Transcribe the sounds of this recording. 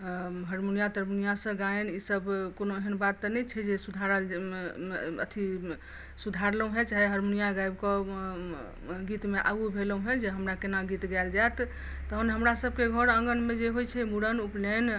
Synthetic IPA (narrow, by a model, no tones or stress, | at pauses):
ɦəɾmunijat̪əɾmunijasə̃ɡaenisəbkonoeɦənbat̪ːɔnɛt͡ʃʰɛd͡ʒesud̪ʱaɾəl | ə̰t̪ʰi | sud̪ʱaɾləũɦɛt͡ʃaɦiɦəɾmunijaɡajbkɔ | ɡit̪meʔa̰ɡubʱeləũɦɛ̃d͡ʒeɦəmɾakenaɡit̪ɡald͡ʒaet̪ | t̪ːəɦənɦəmɾasəb̚keɡʱəɾəŋɡənmed͡ʒeɦojt͡ʃʰɛmuɽənuplen